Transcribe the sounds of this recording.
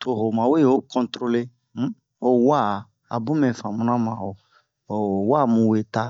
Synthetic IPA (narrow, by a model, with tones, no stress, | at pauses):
tʰo˦ɦo˨mã˨we˦˨o˦kʰɔ̃˨ntɾo˦le˦ | o˨wa˦˨ | a̰˨bũ˦mɛ̃˨fã˨mũ˦nã˦mã˨o˨ | o˨wa˦mũ˨we˦ta˦